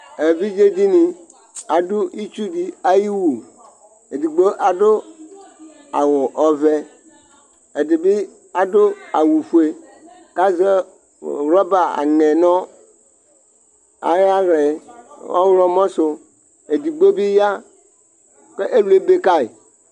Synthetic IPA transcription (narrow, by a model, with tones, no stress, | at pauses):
e˨vi˦d͡ʒe˦di˦nĩ˨ | a˨dʊ˦i˦t͡ʃu˦di˨a˦ji˦wu˨ | e˨di˨ɡ͡bo˦ʔa˨do˦ | a̰˨wʊ˨ʔɔ˨vɛ˦ | e˨di˨bi˦ | a˨do˦a˨wu˨fu˨˦e˨ | ka˦zɛ˦˨ | wlɔ˦ba˨a̰˨ŋɛ̃˨nɔ̃˦ | a̰˨ja˦ɣɛ˨ɔ̰˦wlɔ˦mɔ̃˦so˨ | e˨di˨ɡ͡bo˦bi˦ja˦ | ke˦ʔe˦lu˦e˦be˦ka˦i˨